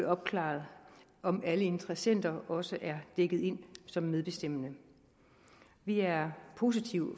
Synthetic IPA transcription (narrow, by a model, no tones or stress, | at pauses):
ɒ̽b̥̚kʰlɑ̰̈ːð̩ˠ | ɒ̽mæləe̝nd̥ʰʁɐsen̰d̥ɐɒ̽səʔæɐd̥eɡ̥ð̞̩ˠe̝n̰sɒ̽mːeðˠb̥e̝sd̥em̰ənə | ʋiæɐɐpʰo̝s̬it͡sʰiʊ̰